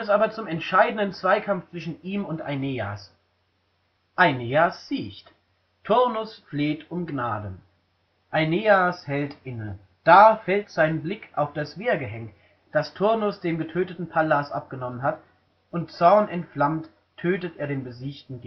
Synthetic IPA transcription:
ɛs̬ʔaːbɐt͡sʊmɛntʃaɪdən̩ənt͡sv̥aɪkʰamft͡sv̥ɪʃn̩iːmʊntʔa̰ɪneːa̰s | ʔaɪneːasz̥iːçt | tʰʊʁnʊsfleːtʊmɡnaːdə | ʔaɪneːashɛltʔɪnə | d̥aːfɛltz̥aɪnəblɪkʰʔa̰ʊfd̥asv̥eːɐɡəɦɛŋt | d̥astʰʊɐnʊsd̥eːmɡətʰøːtətn̩pʰalasʔa̰p̚ɡ̥ənɔmənɦat | ʔʊntt͡sɔʁnɛntflamt | tʰːøːtətʔeːɐdeːnbəziːçtn̩ɡ

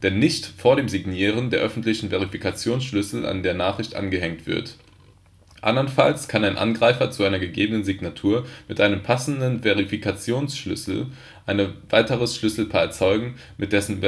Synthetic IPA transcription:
d̥ɛnːɪçtfoːɐɾeːmzɪɡniːʁəndeːɐʔœfn̩tlɪçn̩veʁ̞ifikat͡sjoːnsʃlʏsl̩ʔa̰ndeːɐnaːχʁ̥ɪçtʔa̰nɡəɦɛŋtv̥ɪ̰ɐt | ʔa̰ndɐnfa̰lskʰanaɪnʔa̰nɡʁaɪfɐt͡suʔaɪnɐɡəɡeːbənənziɡnatʰuːɐmɪtʔaɪnəmpʰasn̩dənveʁ̞ifikʰat͡sjoːnsʃlʏ̰sl̩ | ʔaɪnəv̥aɪtəʁəsʃlʏsl̩pʰaːt͡sɔʏɡŋ̩ | mɪt̚d̥ɛsn̩

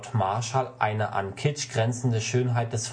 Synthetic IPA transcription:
tmaɐʃalʔa̰ɪnəʔa̰nkʰɪt͡ʃɡ̥ʁɛnt͡sn̩dəʃøːnɦaɪt̚d̥ɛsf

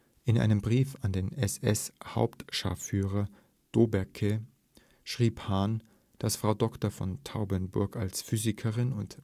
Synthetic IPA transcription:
ʔɪnʔa̰ɪnəmbʁiːfandeːnɛsɛ̰sha̰ʊptʃa̰fyːʁɐ | d̥oːbɛɐkʰə | ʃʁ̥iːphaːn | d̥asfʁ̥aʊdɔktɐfɔ̰ntʰaʊbənbʊɐkalsfyːzɪkʰəʁɪnʊnt

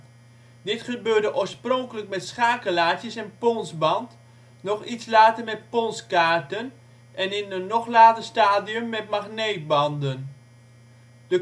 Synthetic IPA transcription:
dɪtχəbøːɹdəʔoːɹsprɔŋkələkmɛtsχaːkəlaːtjəsɛnpɔnsbɑnt | nɔχitslaːtəɹmɛt̚pɔnskaːɹtən | ʔɛnɪnənːɔχlaːtəɹstaːdiəmːɛt̚maχneːt̚bɑndən | də

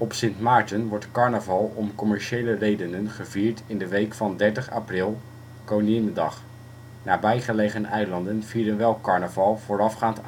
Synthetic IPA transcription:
ɔpsɪntmaːɹtənʋɔɹtkɑɹnəvɑlˠɔmkɔmɛɹʃejlərejdənənχəviːɹtɪndəʋejkfɑndɛɹtəχa̰prɪlˠ | kowniɪndɑ̰χ | naːbɛjχəlejχənɛjlɑndənv̥iːdənʋɛlˠkɑɹnəvɑlˠv̥oːɾɑfχaːnt

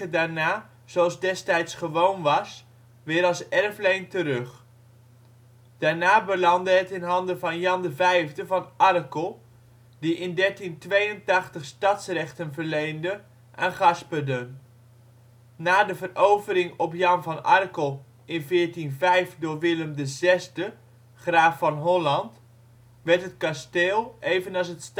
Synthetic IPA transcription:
ədaːɹnaː | z̥oɑlˠzdɛstɛjtsχəʋownʋɑs | ʋɪːɾɑlˠsɛrflejntəɾɵχ | d̥aːɹnaːbəlɑndəɦətɪnɦɑndəvɑnjɑndəvɛjvdəvɑnʔɑrkəlˠ | diʔɪndɛɹtintʋejəntɑχtəχstɑtsrɛχtənvəɹlejndə | ʔanχɑspədən | naːdəvərʔowvəɾɪŋɔpjɑnvɑnɑrkəlˠ | ɪnvɪːɹtinvɛjfdʊːɹʋɪləmdəzɛsdə | χraːfːɑnɦɔlɑnt | ʋɛɹtɦət̚kasteːlˠejvənɑlˠs̬əts

